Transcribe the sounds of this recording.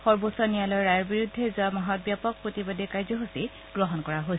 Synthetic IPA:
xɔɹbosɔnijalɔɹɹajɔɹbiɹudʱːezamaɦɔt̚bjapɔk̚pɹotibodekajzɔɦosi | ɡ̥ɹɔɦɔnkɔɹaɦos

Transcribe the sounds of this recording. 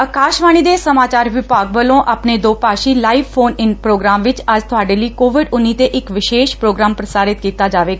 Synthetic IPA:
əkaːʃʋaːɽ̃id̪esəmaːt͡ʃaːɾʋɪpaːɡʋəlõʔaːpɳed̪oːpaːʃilaːiʋfʰoːnɪnpɾoːɡɾaːmʋɪt͡ʃad͡ʒt̪ʰʊɦaːɽeliːkoːʋɪɖʊnit̪eʔɪkʋɪʃeːʃpɾoːɡɾaːmpɾəsaːɾɪt̪kiːt̪ad͡ʒaːʋe

